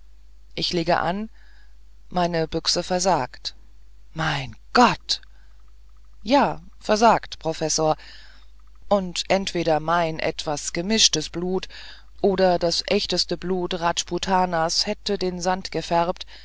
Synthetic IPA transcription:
ʔɪçleːɡə̰ʔa̰n | maɪnəbʏksəfɛɐzaːkt | maɪnɡ̥ɔt | jaː | fɛɐzaːktpʁ̥ofɛsoːɐ | ʔʊntʔɛntv̥eːɾɐmaɪnʔɛ̰tv̥asɡ̥əmɪʃtəsb̥luːt | ʔoːɾɐdasʔɛçtəstəbluːtʁat͡ʃputʰaːnashɛtədeːnzantɡ̥əfɛʁp̚t

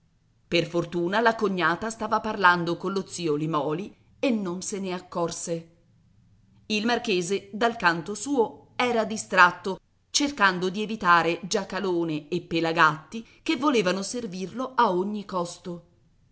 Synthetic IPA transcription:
perfort̪uːnalakoɲːaːt̪ast̪aːvaparland̪okonlːot̪siːolimɔːli | enːonseneakːɔrse | ilmarkeːzed̪alkant̪osuːoɛːɾad̪ist̪ɾat̪ːo | t͡ʃerkand̪od̪ievit̪aːɾed͡ʒakːaloːneepːelaɡat̪ːikevːoleːvanoservirloaoɲːikɔst̪o

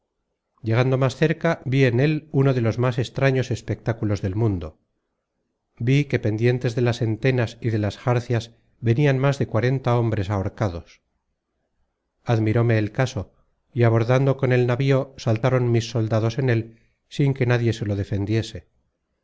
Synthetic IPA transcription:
ɟ͡ʝe̞ɣ̞and̪o̞masθe̞ɾkabie̞ne̞luno̞ðe̞lo̞zmase̞st̪ɾaɲo̞se̞spe̞k̚t̪akulo̞zðe̞lmũnd̪o̞ | bike̞pe̞nd̪je̞nt̪e̞zðe̞lase̞nt̪e̞nasiðe̞lasxaɾθjaz | βe̞nianmazðe̞kwaɾe̞nt̪ao̞mbɾe̞saoɾkað̞o̞s | aðmiɾo̞me̞ːlkaso̞ | iaβ̞o̞ɾðand̪o̞ko̞ne̞lnaβio̞salt̪aɾo̞nmisːo̞ld̪aðo̞se̞ne̞l | siŋke̞naðje̞se̞lo̞ð̞e̞fe̞nd̪je̞se̞

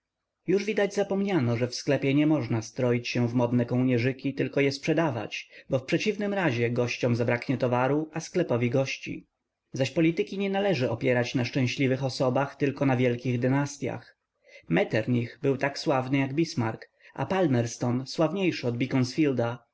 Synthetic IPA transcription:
juʐvʲid̪ad͡ʑzapɔmɲanɔʐɛfsklɛpʲjɛɲɛmɔʐnast̪ɾɔjit͡ɕɕɛvmɔd̪nɛkɔwɲɛʐɘkʲit̪ɘlkɔjɛspʂɛd̪ava̰t͡ɕbɔfpʂɛt͡ɕivnɘmɾaʑɛɡɔɕt͡ɕɔmzabɾakɲɛt̪ɔvaɾuʔasklɛpɔvʲiɡɔɕt͡ɕḭ | zaɕpɔlʲit̪ɘkʲiɲɛnalɛʐɘɔpʲjɛɾat͡ɕnaʂt͡ʂɛ̃ɕlʲivɘxɔsɔbaxt̪ɘlkɔnavʲjɛlkʲiɣd̪ɘnast̪ʲja̰x | mɛt̪ɛɾɲixbɘwt̪akswavnɘjaɡbʲismaɾk | ʔa̰palmɛɾst̪ɔnswavɲejʂɘɔd̪̚bʲikɔnsfʲild̪a

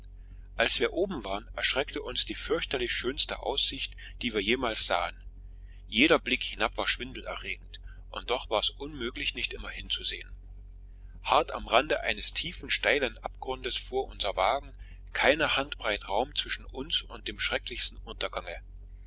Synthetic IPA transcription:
ʔalsv̥iːɐʔoːbm̩vaːʁənɛɐʃʁ̥ɛktəʔʊnsd̥iːfʏɐçtɐlɪçʃøːnstə̰ʔa̰ʊsz̥ɪçt | d̥iːviːɐjeːmaːlsz̥a̰ːən | jeːɾɐblɪkhɪnapv̥aːɐʃv̥ɪndl̩ɛ̰ɐʁeːɡŋ̩t | ʔʊnt̚d̥ɔχv̥aːɛsʔʊnmøːklɪçnɪçtʔɪmɐhɪnt͡suzḛːən | haɐta̰mʁandəʔa̰ɪnəstʰiːfn̩ʃtaɪlənʔapɡ̥ʁʊndəsfoːɐʔʊnzɐvaːɡŋ̩ | kʰaɪnɐhantb̥ʁ̥aɪtʁaʊmt͡sv̥ɪʃn̩ʊnsʊnt̚d̥eːmʃʁ̥ɛklɪçstn̩ʔʊntɐɡaŋə

